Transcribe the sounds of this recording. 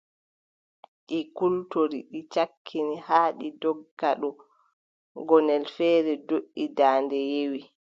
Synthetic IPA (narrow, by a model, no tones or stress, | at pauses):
ɗikultoɾiɗit͡ʃakʰːinihaːɗidɔɡaɗɔ | ɡɔnɛlfɛːɾɛdoʔːidaːndɛjewi